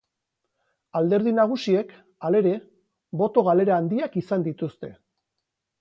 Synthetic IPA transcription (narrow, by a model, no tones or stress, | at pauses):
ald̪e̞ɾð̞inaɣ̞usie̞k | ale̞ɾe̞ | βo̞t̪o̞ɣ̞ale̞ɾaːnd̪iakisand̪it̪ust̪e̞